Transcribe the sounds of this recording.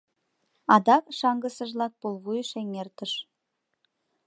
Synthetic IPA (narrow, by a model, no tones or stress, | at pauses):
ɑd̪ɑkʃɑŋɡə̆sə̆ʒlɑk̚pulβujʃeŋert̪ə̆ʃ